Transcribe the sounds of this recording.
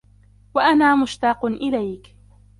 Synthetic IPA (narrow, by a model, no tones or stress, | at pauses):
waʔanaːmʊʃt̪ɑːqʊnʔɪlajk